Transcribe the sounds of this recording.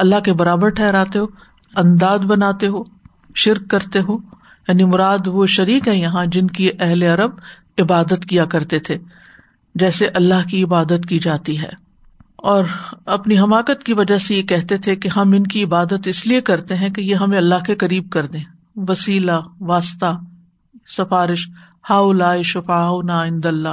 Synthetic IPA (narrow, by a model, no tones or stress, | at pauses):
ɐlːaɦkebɐɾaːbəɾʈʰɛːɾaːt̪eɦoː | ɐ̃nd̪aːd̪bɐnaːt̪eɦoː | ʃɪɾkːɐɾt̪eɦoː | jaːnimʊɾaːd̪ʋoʃɐɾiːkɦɛ̃jɐɦãd͡ʒɪnkiʔɛɦleɐɾəb̚ | ɪbaːd̪ət̪kijakɐɾt̪et̪ʰe | d͡ʒɛːseʔɐlːaɦkiɪbaːd̪ət̪kid͡ʒaːt̪iɦɛ̰ː | ɔːɾɐpniɦɐmaːkət̪kiʋɐd͡ʒasejekɛɦt̪et̪ʰekeɦɐmɪnkiɪbaːd̪ət̪ɪsliekɐɾt̪eɦɛ̃kejeɦɐmẽɐlːaɦkekɐɾiːb̚kɐɾd̪ẽː | ʋɐsiːlaʋaːst̪a | sɐfaːɾɪʃ | haːʊlaːiʃʊfaːʊnaɪ̃nd̪ɐlːa